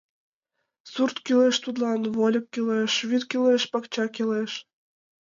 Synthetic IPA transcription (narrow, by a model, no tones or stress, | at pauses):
surt̪kyleʃt̪ut̪lɑnβolʲɤ̆kːileʃβyt̪kʲeleʃpɑkt͡ɕɑkeleʃ